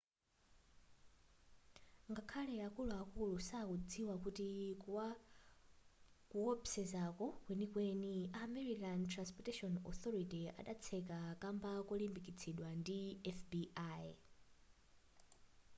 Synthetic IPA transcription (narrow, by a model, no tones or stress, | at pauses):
ŋɡakʰalɛakuluakulusakud͡ziwakuti | kuɔpsɛzakɔkwenikweniamɛɾikantʰɾanspɔtɛʃɔnɔ̰θɔɾitia̰ɗat͡sʰɛkakambakɔlimbikit͡sʰɛɗwandiɛfbiʔaj